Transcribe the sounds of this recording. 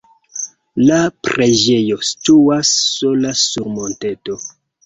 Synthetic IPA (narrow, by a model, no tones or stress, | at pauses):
lapɾe̞d͡ʒe̞jo̞stuasːo̞lasuɾmo̞nte̞to̞